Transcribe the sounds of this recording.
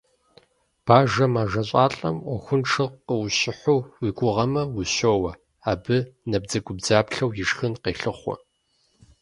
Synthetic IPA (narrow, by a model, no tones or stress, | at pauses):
b̥aːʒɐmaːʒɐɕʼaːɬʼɐ̰mʔʷɔxʷʊnʈ͡ʂʰɨqəwʊɕɪħʷʊwiːɡʷʼʊʁɐmɐwʊɕoːwɐ | aːbɨnɐb̚d͡zɐɡʷʊbd͡zaːpɬɐwjɪʂxɨnqeːɬɨχʷɔ̰